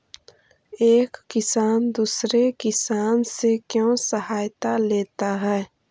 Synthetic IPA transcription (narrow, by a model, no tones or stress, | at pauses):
eːkːɪsaːnd̪uːsɾekɪsaːnsekjõːsəhaːjt̪aleːt̪aɦɛː